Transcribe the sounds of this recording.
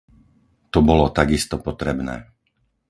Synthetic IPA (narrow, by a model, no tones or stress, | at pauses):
t̪ɔbɔlɔt̪aɡist̪ɔpɔt̪ɾɛbnɛ̰ː